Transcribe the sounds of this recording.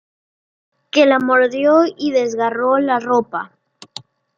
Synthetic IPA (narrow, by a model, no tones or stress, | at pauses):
kelamoɾðjoiðe̞zɣarolaropa